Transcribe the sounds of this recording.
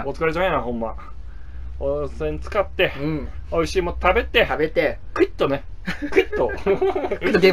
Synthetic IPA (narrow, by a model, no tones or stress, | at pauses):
ot͡sɨ̥kaɾet͡ɕamejnaɦõ̞mːa | osẽɲ̟t͡sɨ̥kat̪ːe̞oiɕiːmot̪t̪abe̞t̪e̞bet̪ekɯ̟it̪ːonekɯ̟it̪ːo | ɯt̪ːoɡe